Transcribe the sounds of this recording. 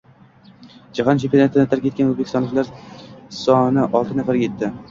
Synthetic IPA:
d͡ʒaɦɒnt͡ʃʰepijnat̪ɪd̪ɪt̪ʰaɾk̚ʲʰet̪kʲanoɵzbekʲɪst̪ɒnlɪkʲlaɾsɒnɪʔɒlˠt̪ɪnafaɾɡʲajet̪ːɪ

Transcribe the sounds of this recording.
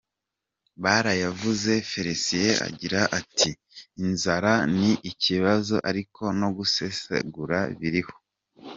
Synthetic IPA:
βaːɾajavuze̞feɾesijea̰ɟiɾaʔatʰiː | nzaɾaniʔiciβazo̞ʔaɾikʰo̞no̞ɡusesḛɡuɾaβiɾiho̞̥

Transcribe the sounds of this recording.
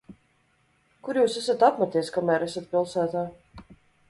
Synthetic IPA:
kuɾjuːsæsat̪apmat̪ijskamæːɾæsat̪̚pʲilˠsæːt̪aː

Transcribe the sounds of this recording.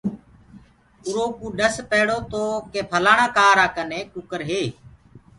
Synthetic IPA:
ʊɾoːkũːɗəspeːɽoːt̪oːkeːpʰəlaːɳãːkaːɾaːkəneːkʊkəɾɦeː

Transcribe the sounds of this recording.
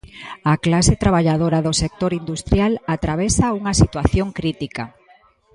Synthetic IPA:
aklaset̪ɾaβ̞aʎaðoɾaðosek̚t̪oɾind̪ust̪ɾjalat̪ɾaβ̞esauŋasit̪waθjoŋkɾit̪ika

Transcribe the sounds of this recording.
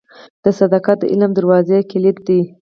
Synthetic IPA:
d̪̥əsad̪ɑkɑt̪̚d̪ə̰ʔɪlamd̪aɾwɑzekɪlɪt̪̚d̪i

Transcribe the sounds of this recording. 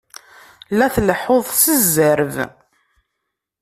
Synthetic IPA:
læθləħoðˤsəzːəɾv

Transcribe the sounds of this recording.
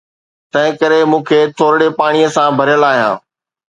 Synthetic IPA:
t̪ɐ̃ɦɪ̃kəɾemũːkʰeːt̪ʰoːɾɽepaːɽ̃ijəsãbʱɐɾjəlaːɦijã̰ː

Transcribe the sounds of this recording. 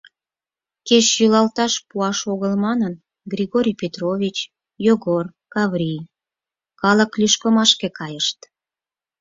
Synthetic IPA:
keʃjylɑlt̪ɑʃpuɑʃoɣəlmɑnən | ɡrʲiɣoɾʲijpʲet̪rovʲit͡ɕ | joɣor | kɑvrʲij | kɑləklyʃkəmɑʃkekɑjəʃt̪

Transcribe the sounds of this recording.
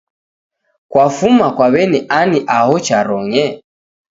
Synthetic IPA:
kwafumakwaβɛniʔaniʔahɔt͡ʃaɾɔŋɛ

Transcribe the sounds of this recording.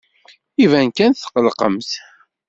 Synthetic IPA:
ivænkænθə̥qəlqə̰mθ

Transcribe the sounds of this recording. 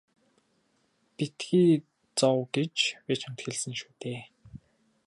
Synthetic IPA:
pit̪ɡiː | t͡sɔwɡet͡ɕweːt͡ɕʰɔm̥t̪xĕɮsɘ̆ŋʃuːt̪eː

